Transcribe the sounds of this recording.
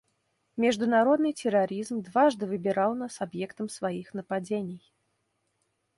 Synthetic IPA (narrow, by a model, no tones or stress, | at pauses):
mʲɪʐd̪ʊnaɾod̪nɨjt͡sʲɪɾaɾʲizmd̪vaʐd̪ɨvɨbʲɪɾalˠnasɐbjɛkt̪əmsvaixnəpad͡zʲenʲɪj